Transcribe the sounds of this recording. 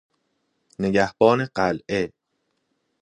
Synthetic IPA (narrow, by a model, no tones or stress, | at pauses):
ne̞ɟæhb̥ɒːne̞ɢælʔe